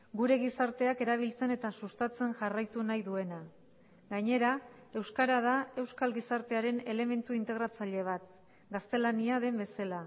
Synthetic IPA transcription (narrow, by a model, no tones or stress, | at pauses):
ɡuɾe̞ɣisaɾt̪e̞ake̞ɾaβ̞ilt͡se̞ne̞t̪asust̪at͡se̞ŋʝarajt̪unajðue̞na | ɡaɲe̞ɾa | e̞wskaɾað̞ae̞wskalɣisaɾt̪e̞aɾe̞ne̞le̞me̞nt̪uint̪e̞ɣ̞ɾat͡saʎe̞β̞at̪̚ | ɡast̪e̞laniaðe̞mbe̞sala